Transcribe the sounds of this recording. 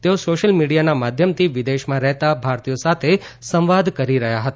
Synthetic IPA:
t̪eosoʃəlmiɽijanamad̪ʱjəmt̪ʰiʋid̪eʃmãɾɛɦt̪abʱaɾt̪ijosat̪ʰe | sə̃mʋad̪ʱkəɾiɾəɦjaɦət̪a

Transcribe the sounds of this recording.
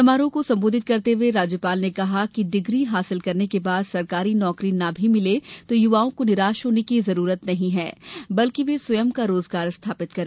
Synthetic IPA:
ɐmaːɾõkosɐ̃mboːd̪ʱɪt̪̚kɐɾt̪eʋeɾaːd͡ʒjəpaːlnekɐɦakiɖɪɡɾiɦaːsɪlkɐɾnekebaːd̪sɐɾkaːɾinɔːkɾinabʱimɪlet̪ojʊʋaːõkonɪɾaːʃɦoːnekizɐɾuːɾət̪nɐɦĩɦɛːbɐlkiʋeswɐjəmkaɾoːzɡaːɾst̪ʰaːpɪt̪kɐɾ

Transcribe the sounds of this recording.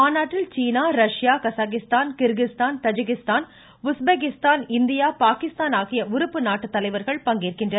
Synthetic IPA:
aːnaːʈːɪlt͡ʃiːnaːɾɐʂjaːkɐsaːkɪst̪aːnkɪɾɣɪst̪aːnt̪ɐd͡ʒɪkɪst̪aːn | ʊsbeːk̬ɪst̪aːnɪnd̪ɪjaːpaːkɪst̪aːnaːɣɪjɐʊɾɯpːɯnaːʈːɯt̪ːɐlɐɪʋɐɾɣɐɭpɐŋɡiːɾkɪndrɐ

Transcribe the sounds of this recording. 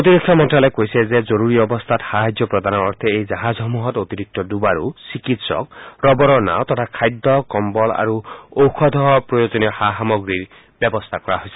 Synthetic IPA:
ot̪iɾekʰɔmɔnʈɾalekojsezezɔɾuɾiɔbɔst̪ʰat̪haɦad͡ʒjɔpɾɔd̪ʱanɔɔ̰ɾt̪ʰɛejd͡ʒaɦazɦɔmuɦɔt̪ot̪iɾik̚t̪ɔdubaɾusikit̪sɔ̰kɾɔbɔɾɔna̰ot̪ɔt̪ʰakʰajd̪ːɔkɔmbɔla̰ɾuowkʰɔd̪ʱɔɦɔpɾɔjod͡ʒɔniɔhaɦamɔɡɾiɾ | bjɔbɔst̪ʰakɔɾa̰ɦojse̥

